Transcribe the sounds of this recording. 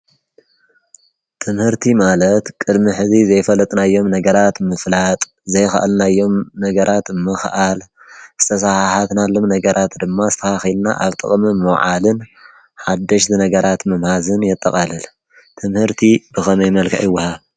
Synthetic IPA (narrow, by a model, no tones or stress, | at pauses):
t̪ʰɨmhɨɾt̪ʰimalɐt̪kʼɨd̪miħɨzizɐjfɐlɐt̪ʼnajːo̞mnɐɡɐɾat̪mɨflat̪ʼ | zɐjxa̰ʔalnajːo̞mnɐɡɐɾʔat̪mɨxʔal | z̥ɨ̥t̪ʰɐsahaħat̪nalːo̞mnɐɡɐɾʔat̪d̪ɨmːazɨ̥t̪ʰɐhaxilna̰ʔaβt̪ʼɨ̰χʼmimɨwʕalɨn | ħad̪ːɐʃzɨnɐɡɐɾat̪mɐmhazɨnjɛt̪ʼːɐ̰kʼalɨl | t̪ʰɨmhɨɾt̪ʰib̥ɨxɐmɐjmɐlkʰa̰ʔɨwːɐha